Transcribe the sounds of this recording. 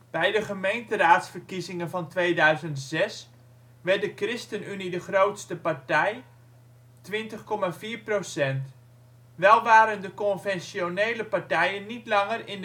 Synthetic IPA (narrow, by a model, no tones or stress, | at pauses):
b̥ɛjdəχəmejntəraːtsfərkizɪŋənvɑntʋeːdœɥzəntz̥ɛs | ʋɛrtdəkrɪstənynidəχrowtstəpaɹtɛj | tʋɪntəχkɔmaːviːrprosɛnt | ʋɛlˠʋaːɾəndəkɔnvɛnsjonejləpartɛjənːitlɑŋərɪn